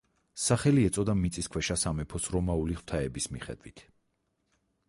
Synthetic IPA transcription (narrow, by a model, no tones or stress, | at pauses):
saχɛliɛt̪sʼɔd̪amit̪sʼiskʰwɛʃasamɛpʰɔsɾɔmauliχw̥t̪ʰaɛbismiχɛ̰d̪wit̪ʰ